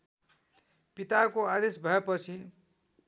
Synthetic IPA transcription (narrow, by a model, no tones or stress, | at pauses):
pit̪akoad̪esbʱʌepʌt͡sʰin